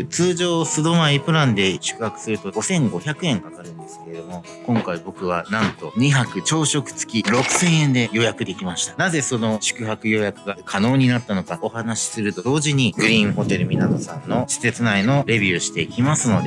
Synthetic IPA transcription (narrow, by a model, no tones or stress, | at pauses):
t͡sɨːʑo̞ːsɨd̪o̞maipɯ̟ɾãnd̪e̞ɕɨ̥kɯ̟hakɯ̟̥sɨɾɯ̟t̪o̞ɡo̞sẽ̞ŋɡo̞çʲakɯ̟ẽ̞ŋkakaɾɯ̟̃nd̪e̞sɨ̥ke̞ɾed̪o̞mo̞ | kõŋkaibo̞kɯ̟β̞anãnt̪o̞ɲ̟içakɯ̟t͡ɕo̞ːɕo̞kɯ̟̥t͡sɨ̥kʲiɾo̞kɯ̟̥sẽ̞ɰ̃ẽ̞nd̪e̞jo̞jakɯ̟d̪e̞kʲimaɕi̥t̪ḁnaze̞so̞no̞ɕɨ̥kɯ̟ɦakɯ̟jo̞jakɯ̟ɡakʰano̞ːɲ̟inat̪ːano̞kao̞hanaɕi̥sɨɾɯ̟t̪o̞d̪o̞ːʑiɲ̟iɡɯ̟ɾʲĩɰ̃ɦo̞t̪e̞ɾɯ̟mʲinad̪osãnːo̞ɕi̥se̞t͡sɨnaino̞ɾe̞bʲiːɕi̥t̪e̞ikʲimasɨno̞d̪e